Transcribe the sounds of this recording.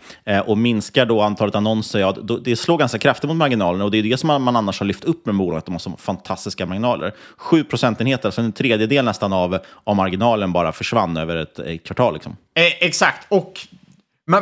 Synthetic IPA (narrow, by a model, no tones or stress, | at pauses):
ʔɔmɪnskaɖɔant̪ʰɑːlət̪anɔnsəɾad̪ɔd̪ɛsloːɡanskakʰɾaft̪ɪt̪mʊt̪maɾɡɪnɑːlənaɔd̪ɛjɵd̪ɛsɔmmananːaʂhaɭʏft̪ɵpːmɛbuːlɑːɡat̪̚d̪ɔmhaʂɔfant̪ʰast̪ɪskamaŋnɑːlʔə̰ɾ | ɧʉ̟ːpʰɾʊsɛnt̪ɪnheːt̪ənasɔɛnt̪ʰɾeːd̪jəd̪eːlnɛst̪anavavmaɾɡɪnɑːlənbɑːɾafœʂva̰nːø̰ːvəɾɛt̪ɛ̰kʰvaʈʰɑːlːɪksɔ̰m | ɛksakt̪ɔk